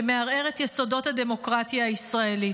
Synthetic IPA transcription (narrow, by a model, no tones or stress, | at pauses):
me̞aʁe̞ʁe̞t̪jeso̞do̞thade̞mo̞kʁatjaːissʁae̞li